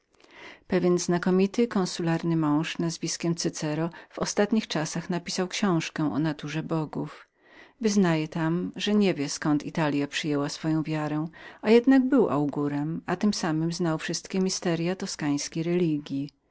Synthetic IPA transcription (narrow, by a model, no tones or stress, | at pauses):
pɛvʲjɛnznakɔmʲit̪ɘkɔ̃ñsulaɾnɘmɔ̃w̃ʂnazvʲiskʲɛmt̪sɘt̪sɛɾɔv̥ɔst̪at̪ɲixt͡ʂasaxnapʲi̥sawkɕɔ̃w̃ʂkɛ̃ʔɔ̰nat̪uʐɛbɔɡuf | vɘznajɛt̪amʐɛɲɛvʲjɛskɔnt̪it̪alʲjapʂɘjɛwasfɔjɔ̃w̃vʲjaɾɛ̃ajɛd̪naɡbɘwʔa̰wɡuɾɛmat̪ɘmsamɘmznawfʂɘst̪kʲɛmʲist̪ɛɾjat̪ɔskaj̃skʲejɾɛlʲiɡʲji